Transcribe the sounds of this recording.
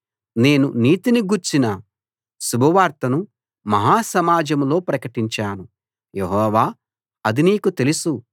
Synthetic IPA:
ne̞ːnuniːt̪iniɡuɾt͡ʃinɐ | subʱɐʋaːɾt̪ɐnu | mɐɦaːsɐmaːd͡ʒɐmlo̞ːpɾɐkɐʈiɲt͡ʃaːnu | jeɦɔːʋaː | ɐd̪iniːkut̪e̞lusu

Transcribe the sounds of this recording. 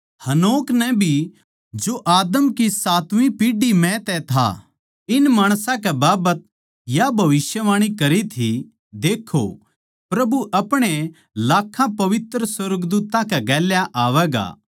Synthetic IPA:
hɐnoːknɛ̃bʱi | d͡ʒoʔaːd̪əmkisaːt̪ʋĩpiːɖimɛ̃t̪ɛt̪ʰa̰ | ɪnmaːɽ̃sãkɛbaːbət̪̚ | jabʱɐʋɪsjəʋaːɽ̃ikɐɾit̪ʰi | d̪eːkʰːo̰ | pɾɐbuʔɐpɽ̃e | laːkʰːãpɐʋɪt̪ɾəswɐɾɡd̪uːt̪ãkɛɡɛːljaʔaːʋɛːɡa̰ː

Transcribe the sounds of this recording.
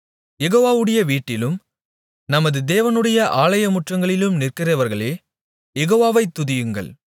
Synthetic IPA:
jɛɣoːʋaːʋɯɽɐjɐʋiːʈːɪlɯm | nɐmɐðɯd̪eːʋɐnɯɽɐjɐʔaːɭɐjɐmʊʈrɐŋɡɐɭɪlɯmnɪrkɐrɐʋɐɾɣɐɭeː | jɛɣoːʋaːʋɐɪt̪ːʊðɪjɯŋɡɐ̰ɭ

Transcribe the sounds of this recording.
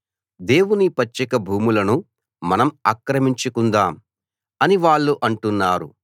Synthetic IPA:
d̪e̞ːwunipɐt͡ʃːɐkɐbʱuːmulɐnu | mɐnɐmaːkɾɐmiɲt͡ʃukund̪aːm | ɐniʋaːɭːuʔɐɳʈunːaːɾṵ

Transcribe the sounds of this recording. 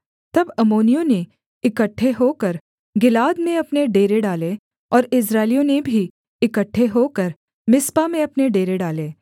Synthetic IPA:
t̪ɐbɐmoːnijõne | ɪkəʈʰːeɦoːkɐɾ | ɡɪlaːd̪mẽɐpneɖeːɾeɖaːle | ɔːɾɪsɾaːɪlijõnebʱi | ɪkəʈʰːeɦoːkɐɾ | mɪspamẽɐpneɖeːɾeɖaːleː

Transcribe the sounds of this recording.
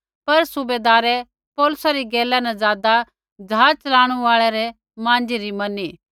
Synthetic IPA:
pɐɾsʊbeːd̪aːɾɛ | pɔːlʊsaɾiɡeːlːanɛzaːd̪a | d͡ʒaːt͡ʃɐlaːɽ̃uaːɭɛɾɛ | mãːnd͡ʒiɾimɐniː

